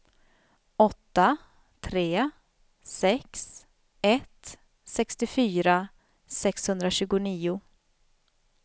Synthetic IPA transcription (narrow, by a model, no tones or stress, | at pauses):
ɔt̪ːa | t̪ʰɾeː | sɛks | ɛt̪ | sɛkst̪ɪfyːɾa | sɛkshɵnd̪ɾaɕʉ̟ːɡʊniːʊ